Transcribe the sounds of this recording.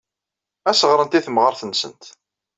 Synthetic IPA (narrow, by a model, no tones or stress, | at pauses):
æsəʁɾənt̪iθmʁəɾθənsə̰nt̪